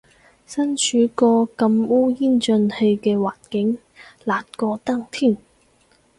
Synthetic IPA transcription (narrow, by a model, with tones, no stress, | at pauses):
sɐ˥nt͡ʃʰyː˨˥kɔː˧kɐ˧muː˥jiː˥˩nt͡ʃɵ˧nhe˧jkɛː˧waː˨˩nkɪ˨˥ŋ | laː˨˩t̚kɔː˧t̪a˥ŋt̪ʰiː˥˩n